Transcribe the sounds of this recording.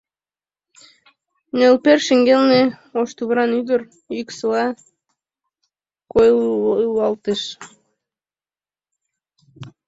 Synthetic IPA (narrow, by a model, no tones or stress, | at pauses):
nelperʃeŋɡelne | oʃt̪uβɾɑnyd̪ə̆r | yksəlɑ | kojjlɑlt̪eʃ